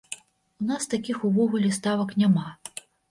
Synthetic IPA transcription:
unast̪akʲixuvɔɣulʲɛst̪avɐknʲama

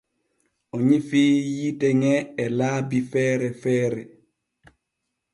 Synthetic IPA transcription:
ɔɲifijitɛŋɛːlabifɛːɾɛfɛːɾɛ

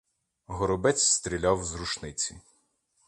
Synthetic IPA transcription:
ɦɔɾʊbɛt͡sʲst̪ɾʲilʲɑwzruʃnɪt͡sʲi

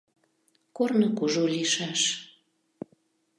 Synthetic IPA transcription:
kornəkuʒoliʃɑʃ

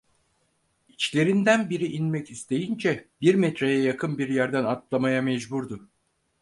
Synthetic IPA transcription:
it͡ʃlʲe̞ɾind̪ænbiɾiʔinmɛcist̪ʰe̞jind͡ʒɛbiɾmɛt̪ɾejɛjakʰɯnbiɾjæɾd̪ænat̪lˠamajamɛd͡ʒbuɾd̪ʊ

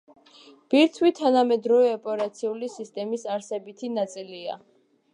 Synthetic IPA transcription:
b̥iɾt̪ʰwit̪ʰanamɛd̪ɾɔvɛɔpʼɛɾat̪sʰiulisist̪ʼɛmisaɾsɛbit̪ʰinat̪sʼilia̰

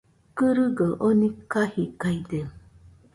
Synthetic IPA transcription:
kɯɾɯɡəʔonikahikaid̪e

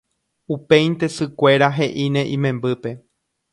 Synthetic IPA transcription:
upe̞jnt̪e̞sɨkʷe̞ɾaɦe̞ʔinẽ̞ʔĩmẽ̞mbɨpe̞

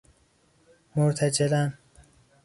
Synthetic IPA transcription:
moɾt̪ʰæd͡ʒelæn

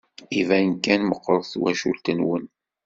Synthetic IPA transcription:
ivænkːænməqːɾˤθwæ̰ʃṵlt̪ənwə̰n

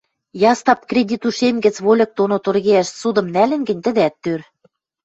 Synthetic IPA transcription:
jɑst̪ɑp̚krʲedʲit̪uʃemɡɘ̆t͡sβolʲɤ̆k̚t̪onot̪orɣeæʃsud̪ɤ̆mnælɘ̆nɡɘ̆nʲt̪ɘ̆d̪æt̪ːør

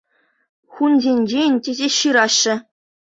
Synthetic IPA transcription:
xunzʲenʲd͡ʑenʲtʲezʲeɕɯɾɑɕːɘ̆

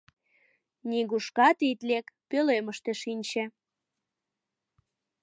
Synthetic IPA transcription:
nʲiɣuʃkɑt̪it̪lekpøleməʃt̪eʃinʲt͡ɕĕ

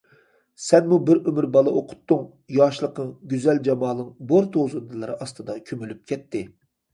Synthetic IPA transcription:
sɛnmubɪɾømyɾbɑlˠɑoqʰʊ̥t̪ːʊŋ | jɑːʃlˠəq̪ʰɨŋɡʲyzɛld͡ʒɑmɑːlˠɨŋboɾt̪ʰozund̪ɨlˠɨɾɨɑst̪ɨd̪ɑkʲʰømylyp̚kʲʰɛt̪ʰːɪ

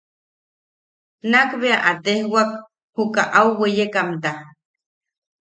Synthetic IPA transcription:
nakβeaʔat̪ehwak | hukaʔauwejekamt̪a

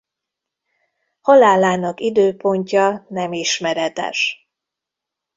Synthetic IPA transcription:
hɒlaːlːaːnɒkid̪øːpo̞ɲcɒnɛmiʃmɛɾɛt̪ɛ̰ʃ

